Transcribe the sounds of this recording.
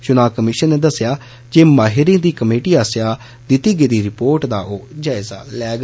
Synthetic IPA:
t͡ʃʊnãːkəmɪʃənːeːd̪əsːjaː | d͡ʒeːmaːɦɪɾĩːd̪iːkəmeːʈiːaːsjaː | d̪ɪt̪iːɡeːd̪iːɾɪpoːɾʈd̪aːoːd͡ʒaːɪza̰ːlɛːɡ

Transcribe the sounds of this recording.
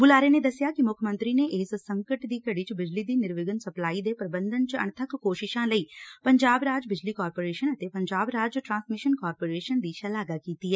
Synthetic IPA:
bʊlaːɾeːneːd̪əsːjaːkɪmʊkʰəmə̃nt̪ɾiːneːʔeːssəŋkəʈd̪iːkəɽiːt͡ʃbɪd͡ʒliːd̪iːnɪɾʋɪɡənsəplaːiːd̪eːpɾəbə̃nd̪ənt͡ʃə̰ɳ̃t̪ʰəkːoːʃɪʃãːləiːpəɲd͡ʒaːbɾaːd͡ʒbɪd͡ʒliːkaːɾpoːɾeːʃənət̪eːpəɲd͡ʒaːbɾaːd͡ʒʈɾãːnsmɪʃənkaːɾpoːɾeːʃənd̪iːʃəlaːɡaːkiːt̪iːɛː

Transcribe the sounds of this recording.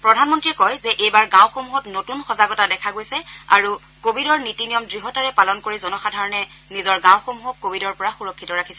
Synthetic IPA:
pɹɔdʱanmɔntɹiɛkɔjzɛʔejbaɹɡãwxomuɦɔtnotunxɔzaɡɔtadɛkʰaɡojsɛa̰ɹu | kobʱidɔɹnitinijɔmdɹiɦɔtaɹɛpalɔnkoɹizɔnɔxadʱaɹɔnɛnizɔɹɡãw̃xomuɦɔkːobʱidɔɹpɔɹaxuɹɔkʰːitɔɹakʰi̥sɛ

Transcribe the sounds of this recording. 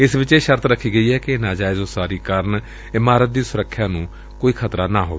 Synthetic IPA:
ɪsʋɪt͡ʃeːʃəɾt̪ʰɾəkʰːiːɡəiːɦɛːkɪnaːd͡ʒaːɪd͡ʒoːsaːɾiːkəɾən | ɪmaːɾət̪̚d̪iːsʊɾəkʰːjãːnũː | koːiːkʰət̪ɾaːnaːɦo̰ːʋeː

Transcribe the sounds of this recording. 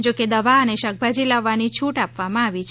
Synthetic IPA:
d͡ʒoked̪əʋaəneʃək̚bʱad͡ʒilaʋːanit͡ʃʰuʈapʋamãaʋit͡ʃʰ

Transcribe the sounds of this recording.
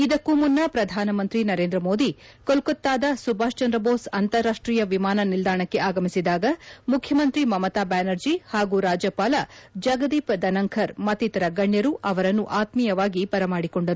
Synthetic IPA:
id̪ɐkːumunːɐpɾɐd̪ʱaːnɐmɐnt̪ɾinɐɾe̞ːnd̪ɾɐmo̞ːd̪ikolkot̪ːaːd̪ɐsubʱaːʃt͡ʃɐnd̪ɾɐboːsɐnt̪ɐɾːaːʂʈɾiːjɐʋimaːnɐnild̪aːɳɐkːe̞ʔaːɡɐmisid̪aːɡɐmukʰjɐmɐnt̪ɾimɐmɐt̪aːbaːnɐɾd͡ʒihaːɡuɾaːd͡ʒɐpaːlɐd͡ʒɐɡɐd̪iːpd̪ɐnɐŋkʰɐɾmɐt̪ːit̪ɐɾɐɡɐɳjɐɾuʔɐʋɐɾɐnːuʔaːt̪mijɐʋaːɡipɐɾɐmaːɽikoɳɖɐɾu

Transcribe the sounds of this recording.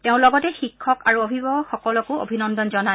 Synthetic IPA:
teʊ̃lɔɡɔtɛxikʰːɔkaɹuobʱibɔɔxɔkɔlɔkʊo̰bʱinɔndɔnzɔna

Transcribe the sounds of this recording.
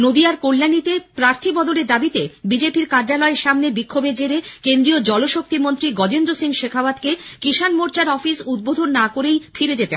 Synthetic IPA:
nod̪iaɾkolːanit̪epɾaɾt̪ʰibɔd̪oleɾd̪abit̪ebid͡ʑepiɾkaɾd͡ʑalɔeɾʃamnebikʰːobed͡ʑeɾekend̪ɾiod͡ʑɔloʃok̚t̪imont̪ɾiɡɔd͡ʑend̪ɾosiŋʃekʰaoad̪kekiʃanmoɾt͡ɕaɾɔfisud̪̚bod̪ʱonːakoɾejfʰiɾed͡ʑet̪e

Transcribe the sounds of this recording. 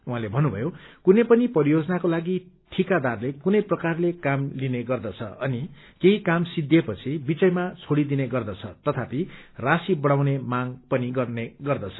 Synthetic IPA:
uɦãlebʱʌnːubʱʌ̰jokunepʌnipʌɾijod͡zʌnakolaɡi | ʈʰikad̪arlekunʌjprʌkarlekamlineɡʌrd̪ʌt͡sʰʌ̰ʌ̰ni | keɦikamsid̪jepʌt͡sʰibit͡sʌjmat͡sʰoɽid̪ineɡʌrd̪ʌt͡sʰʌ̰t̪ʌt̪ʰapirasibʌɽawnemaŋpʌniɡʌrneɡʌrd̪ʌt͡sʰʌ̥

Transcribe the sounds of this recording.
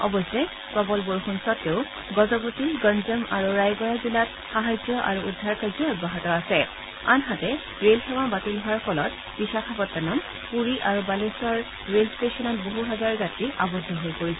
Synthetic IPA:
ɔ̰bɔsɛj | kɔbɔlboɹxunsɔtːeʊ | ɡɔzɔbotiɡɔnzɛmaɹuɹajɡɔjazilat | xaɦazɔʔa̰ɹuudʱːaɹkazɔɔd̚baɦɔtɔasɛ | anɦatɛ | ɹelxɛwabatilɦɔwaɹfʰɔlɔt̚ | b̥iʃakʰabɔtːanɔm | puɹiʔaɹubaleswaɹ | ɹelstesɔnɔt̚boɦuɦɛzaɹɡatiʔabɔdʱɔɦojpoɹisɛ

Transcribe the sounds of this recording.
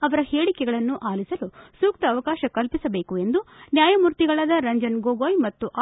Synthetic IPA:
ɐʋɐɾɐheːɽikɛɡɐɭɐnːuʔaːlisɐlusuːk̚t̪ɐːʋɐkaːʃɐkɐlpisɐbe̞ːkue̞nd̪unjaːjɐmuɾt̪iɡɐɭaːd̪ɐɾɐɲd͡ʒɐnɡoːɡoːjmɐt̪ːuʔaː

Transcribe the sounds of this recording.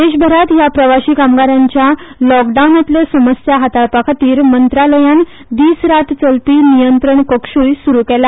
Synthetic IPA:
d̪eɕbʱəɾat̪japɾəʋaɕiːkamɡaɾãɲt͡ɕjalɔkɖawnat̪ljəsəməsjaɦat̪apakʰat̪iːɾmənt̪ɾaləjan | d̪iːsɾat̪t͡səlpiːnijənt̪ɾəɳkəkʂuːjsuɾukɛla

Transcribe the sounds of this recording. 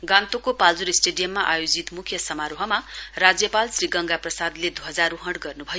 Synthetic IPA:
ɡãnt̪okopald͡zuɾisʈeɖijʌmːaʔajod͡zit̪mukʰjʌsʌmaɾoɦʌmarad͡zjʌpalsriɡʌŋɡaprʌsad̪led̪uɦʌd͡zaɾuɦʌɽɡʌrnubʱʌjo

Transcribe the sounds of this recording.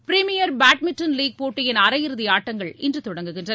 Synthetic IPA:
pɪɾɪmɪjɐɾbaːʈ̚mɪʈːɐnliːɡ̚poːʈːɯjɪnɐɾɐjɪɾɯðɪaːʈːɐŋɡɐɭɪndrɯt̪ɔɽɐŋɡɯɣɪndrɐ

